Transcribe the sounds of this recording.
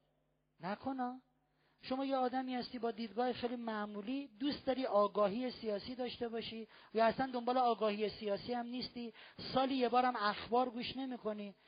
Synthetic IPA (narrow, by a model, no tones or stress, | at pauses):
nækʰo̞nɒː | ʃo̞mɒːjeɒːd̪æmiːhæst̪iːbɒːd̪iːd̪̚ɡɒːhexejlimæmuːliːd̪uːst̪̚d̪ɒːɾiɒːɡɒːɦiːesijɒːsiːd̪ɒːʃt̪e̞bɒʃiː | jɒæslænd̪ombɒːleɒːɡɒːhiesijɒːsiːhæmniːst̪iːsɒːliːjebɒːɾæmæxbɒːɾɡuːʃne̞miːkʰo̞niː